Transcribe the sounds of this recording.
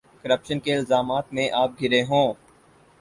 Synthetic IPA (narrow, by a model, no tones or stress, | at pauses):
kəɾəpʃənkeɪlzaːmaːt̪mẽʔaːp̚ɡʱɪɾeɦõː